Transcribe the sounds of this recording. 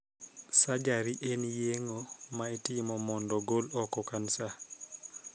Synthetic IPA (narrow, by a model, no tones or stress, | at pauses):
sad͡ʒaɾiʔenjeŋomaetɪmɔmɔndɔɡolɔkɔkansa